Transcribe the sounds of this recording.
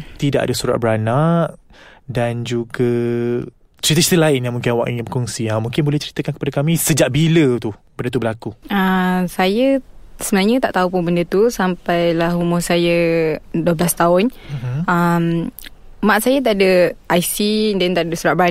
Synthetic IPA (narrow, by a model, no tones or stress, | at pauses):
t̪idaʔa̰dasuɾa̰t̪̚bəɾanaʔdand͡ʒuɡa | t͡ʃəɾit̪̬ət͡ʃi̥t̪əlaɪnjamuŋkɪnawa̰ʔibəkɔŋsiamũŋkɪnbolɛht͡ʃəɾit̪əkankə̥padakamisəd͡ʒaʔbilət̪ubəndət̪ubəlakuəsajəsəbənaɲət̪aʔt̪aupʊnbəndət̪usampajlaɦumʊrsajəduəblast̪aʊn̩əm | mãʔsajat̪aʔdəʔajsidant̪aʔdəsuɾat̚bəɾa